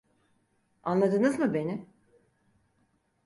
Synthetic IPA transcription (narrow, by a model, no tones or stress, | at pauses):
anlˠad̪ɯnɯzmɯbe̞nɪ